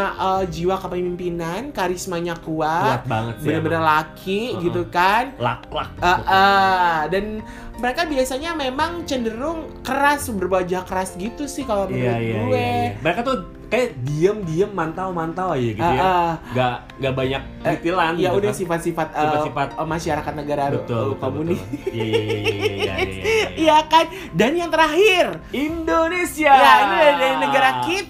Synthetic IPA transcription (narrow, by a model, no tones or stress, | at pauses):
ʔəd͡ʒiwakapəmimpinankaɾɪsmaɲakuaat̪̚baŋət̪̚bənabənərlakʰiɡit̪ukanla̰k̚lak̚əʔədan | məɾekabiasaɲamemaŋt͡ʃəndəɾʊŋ | kəɾasbərbad͡ʒahkəɾasɡit̪usɪhkalabəaaaueməɾekat̪u | kajadiəmdiəmːant̪awmant̪awad͡ʒaɡiəəɡa | ɡabaɲak̚it̪ilanjaudasifat̪sifat̪əsifat̪̚maʃaɾakat̪̚nəɡaɾat̪ːkomunɪja | sijakan | danjaŋt̪əɾaɦɪr | indonesiajainidaɾidaɾinəɡaɾakit̪̚